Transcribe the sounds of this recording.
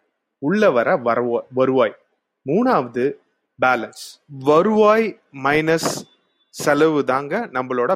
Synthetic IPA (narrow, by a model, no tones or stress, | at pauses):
ʊɭːɐʋɐɾɐʋɐɾɐʋaːʋɐɾɯʋaːj | muːnaːʋɐðɯ | baːlɐnsʋɐɾɯʋaːj | mɐɪnɐsː | ɛlɐʋɯðaːŋɡɐnɐmbɐɭoːɽɐ